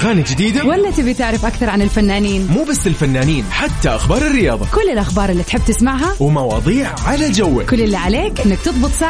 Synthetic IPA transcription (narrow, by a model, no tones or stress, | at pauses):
ɣaːnid͡ʒɪd̪iːd̪awalːat̪ɪbit̪ɪʕɾɪfʔakθɑɾˤʕanɪlfanːaːniːnmuːbasːɪlfanːaːniːnħat̪ːaʔaxbɑːɾˤɪrːɪjɑːðˤɑ̰kʊlːɪlʔaxbɑːɾˤɪlːit̪ħɪbːt̪ɪsmaʕɦawmɑwɑ̰ːðˤiːʕʕalad͡ʒawːɪkʊlːɪlːiʕaleːkʔɪnːɪk̚t̪ɨðˤbɨt̪ˤsa